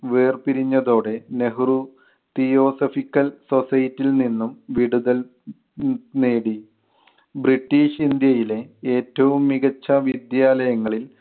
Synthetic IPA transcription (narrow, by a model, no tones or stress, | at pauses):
ʋeːrpiɾiɲːɐðo̞ːɽe̞ne̞ɦru | t̪ijo̞ːsɐfikʲːɐlso̞sɐjɐtːilninːumʋiɽuðɐl | neːɽi | britːiːʂind̪jɐjile̞eːtːɐʋumːiɣɐt͡ɕːɐʋid̪jaːlɐjɐŋːɐɭil